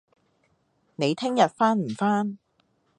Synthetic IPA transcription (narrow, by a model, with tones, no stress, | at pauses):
ne˨˧jt̪ʰɪ˥ŋjɐ˨t̚faː˥nm̩˨˩faː˥n